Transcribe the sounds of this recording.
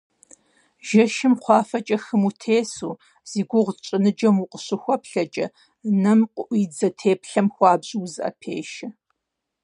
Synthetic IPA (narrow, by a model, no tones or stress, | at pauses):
ʒɐʃɪmqʷɑːfɐt͡ʃʼɐxɨmutʰeːsuː | z̥iːɡʷʊʁʷt͡ʃʼɨnɨd͡ʒɐmuqʷʼəɕɨxʷɔpɬɐt͡ʃʼɐ̰ | nɐmqʷʼʊʔʷiːd͡zɐtʰeːpʰɬɐmxʷɑːbʑːzɨʔɐ̰pʰeːʃɐ